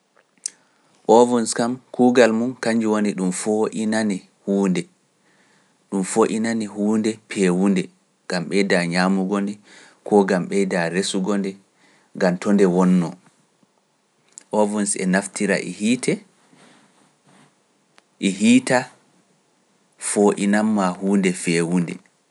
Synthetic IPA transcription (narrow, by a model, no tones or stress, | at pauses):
ʔɔvɔnskamkuːɡalmunkaɲd͡ʒiwoniɗumfoʔinanɛ | huːndɛ | ɗumfoʔinanihuːndɛpʰɛwundɛ | ɡ̥amɓɛjdaɲaːmuɡɔndɛ | kʰɔɡamɓɛdaɾesuɡɔndɛ | ŋɡamtʰɔndɛwɔnːɔ | ʔɔvɔnsɛ̰naftʰiɾa̰ʔɛ̰hiːtʰɛ | ʔɛɦiːta | foʔinamːahuːndɛfɛwundɛ̰